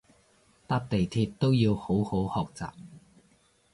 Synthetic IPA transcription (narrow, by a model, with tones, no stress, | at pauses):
t̪aː˥p̚t̪e˨jt̪ʰiː˧t̚t̪o˥wjiː˧who˨˥who˨˥whɔː˨k̚t͡sa̰ː˨p̚